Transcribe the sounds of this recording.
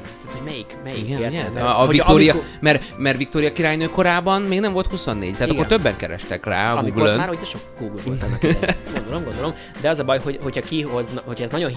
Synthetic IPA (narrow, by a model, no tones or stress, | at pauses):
at̪homɛjikmɛjiiɡɛɡɛɒik̪oːɾijɒmɛrmɛrvik̚t̪oːɾijɒkiɾaːjnøːko̞ɾaːbɒnmeːɡnɛɱvo̞lt̪husonːḛːɟt̪ɛaːt̪ɒkːot̪øbːɛŋkɛɾɛ̰ʃt̪ɛkra̰ːɒɡuiːɡlønaːɾhoɟnɛʃokɡ̥uɡlt̪uɔɡond̪olomɡond̪olom | d̪ɛɒzɒbɒjhoɟho̞cʰhɒkiɦoznho̞cʰɛznɒɟo̞n